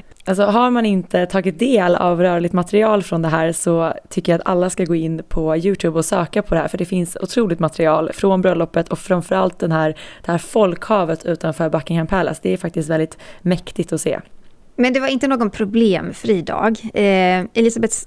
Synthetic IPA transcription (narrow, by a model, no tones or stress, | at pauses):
als̬ɔɦaɾmanɪnt̪ət̪ʰɑːɡɪt̪̚d̪eːla̰vɾœːɭɪɡ̚t̪mat̪ɛɾɪɑːlfɾɔnd̪ɛɦæːɾsɔt̪ʰʏkːəjat̪a̰lːaskaɡoːɪnːpʰɔjʉ̟ːt̪ʰʉːbɔsøːkapʰɔd̪ɛhæ̰ːɾfœɖɛfɪnsʊ̰t̪ʰɾuːlɪkt̪mat̪ɾɪɑːlfɾɔnbɾœlːɔpːət̪ʰɔkfɾamfœɾalt̪̚d̪ɛnɦæːɾd̪̥ɛhæːɾfɔlkhɑːvət̪ʰʉ̟ːt̪anfœːɾbakːɪŋhampʰɛlːa̰sd̪ɛæɾfak̚t̪ɪst̪vɛld̪ɪt̪mɛkt̪ɪt̪ɔsḛː | mɛnd̪ɛvaɾɪnt̪ənoːɡɔnpʰɾʊbleːmfɾiːd̪ɑ̰ːɡ | ɛlɪsabɛt̪s